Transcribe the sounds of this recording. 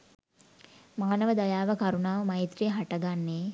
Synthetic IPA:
maːnəʋəd̪ajaːʋəkaɾunaːʋəmajit̪rijɦaʈəɡanːeː

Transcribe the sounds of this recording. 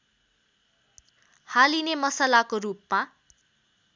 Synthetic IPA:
halinemʌsalakorup̚ma

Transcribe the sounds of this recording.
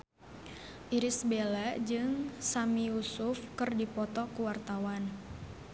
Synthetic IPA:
ʔiɾisbelad͡ʒɨŋsamiusʊfkɨrdipɔt̪ɔkuwart̪awan

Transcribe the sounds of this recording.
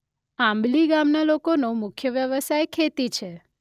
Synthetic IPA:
ãmbliɡamnalokonomʊkʰjəʋjəʋəsajkʰet̪it͡ʃʰe

